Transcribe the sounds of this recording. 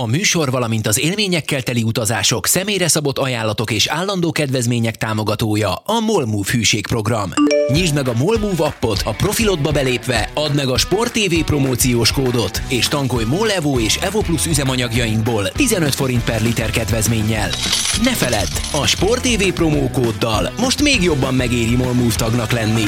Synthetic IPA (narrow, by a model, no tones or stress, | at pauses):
ɒmyːʃo̞rvɒlɒmint̪ɒzeːlmeːɲɛkːɛlt̪ɛliut̪ɒzaːʃo̞ksɛmeːjrɛsɒbo̞t̪ːɒjaːlːɒt̪o̞keːʃaːlːɒnd̪oːkɛd̪vɛzmeːɲɛk̚t̪aːmo̞ɡɒt̪oːjɒɒmo̞lmuːfhyːʃeːkpro̞ɡrɒmɲiʒd̪mɛɡɒmolmuːvɒpːo̞t̪ʰɒpro̞filo̞d̪̚bɒbɛleːpʋɛɒd̪mɛɡɒʃpo̞rt̪ːeːveːpro̞moːt̪sijoːʃkoːd̪o̞t̪eːʃt̪ɒŋko̞jmolɛvoːeːʃɛvoplusyzɛmɒɲɒɡjɒjiŋɡboːlt̪izɛnø̞t̪fo̞ɾint̪̚pɛrlit̪ɛrkɛd̪vɛzmeːɲːɛlnɛfɛlɛt̪ːɒʃpo̞rt̪eːveːpro̞moːkoːd̪ːɒ̰lmo̞ʃt̪meːɡjo̞bːɒmːɛɡeːɾjimo̞lmuːft̪ɒɡnɒklɛnːi